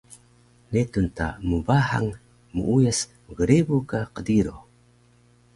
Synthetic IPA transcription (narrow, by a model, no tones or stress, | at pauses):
netunta̰mubaha̰ŋ | muujəsməɡəɾebukaqədiɾo̰